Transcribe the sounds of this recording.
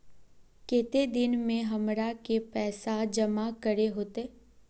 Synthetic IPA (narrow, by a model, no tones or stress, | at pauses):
keːt̪ed̪ɪnmẽɦɐmɾakepɛːsad͡ʒɐmakəɾeɦoːt̪eː